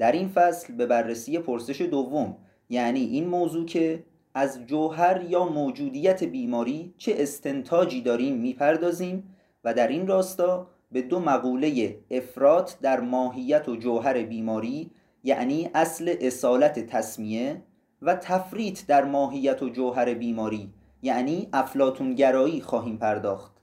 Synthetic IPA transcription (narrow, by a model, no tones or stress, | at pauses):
d̪̥æɾinfæslbe̞bærːesiːje̞pʰoɾse̞ʃe̞d̪ovːo̞m | jæʔniːʔinmoːzuːcʰe̞ | æzd͡ʒoɦæɾjɒːmoːd͡ʒuːd̪iːjæt̪ʰe̞biːmɒːɾiːt͡ʃʰeʔest̪ʰe̞nt̪ʰɒːd͡ʒiːd̪ɒːɾiːmːiːpʰæɾd̪ɒːziːm | væd̪æɾinrɒːst̪ɒː | be̞d̪omæɣuːle̞jeefɾɒːt̪ʰd̪æɾmɒːɦijːæt̪ʰod͡ʒoɦæɾe̞biːmɒːɾiː | jæ̰ʔniːʔæsle̞ʔesɒːlæt̪ʰet̪ʰæsmie | væt̪ʰæfɾiːt̪ʰd̪æɾmɒːɦijːæt̪ʰod͡ʒoɦæɾe̞biːmɒːɾiː | jæʔniːʔæflɒːt̪ʰuːnɟæɾɒːiːxɒːɦiːmpʰæɾd̪ɒːxt̪